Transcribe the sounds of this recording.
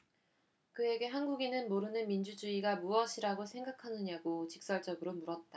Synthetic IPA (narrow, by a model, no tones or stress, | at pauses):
kɯe̞ɡe̞ɦanɡuɡinɯnmoɾɯnɯnmind͡ʑud͡ʑuiɡamuʌɕʰiɾaɡosʰe̞ŋɡakʰanɯɲaɡot͡ɕik̚s͈ʌɭd͡ʑʌɡɯɾomuɾʌt̚t͈a